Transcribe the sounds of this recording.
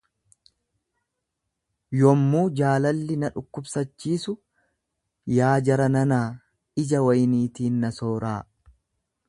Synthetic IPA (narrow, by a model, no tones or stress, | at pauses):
jɔmːuːd͡ʒaːlɐlːɪnɐᶑʊkːʊbsɐt͡ʃːiːsʊ | jaːd͡ʒɐɾɐnɐnaː | ɪd͡ʒɐwɐjniːt̪iːnːɐsoːɾaː